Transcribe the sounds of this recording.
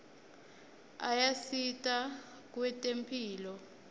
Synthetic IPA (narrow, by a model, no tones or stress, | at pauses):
ajasitʼa | k̬ʼwɛtʼempʰiːlɔ